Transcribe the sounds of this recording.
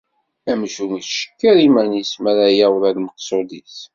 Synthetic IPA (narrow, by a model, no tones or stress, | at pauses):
æmʃumit͡sʃə̥kːəɾiməɾnjismæɾajæwɾælməqsˤod̪is